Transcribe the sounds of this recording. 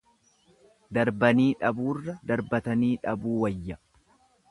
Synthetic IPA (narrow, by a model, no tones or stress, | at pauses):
d̪ɐɾbɐniːᶑɐbuːrːɐd̪ɐɾbɐt̪ɐniːᶑɐbuːwɐjːɐ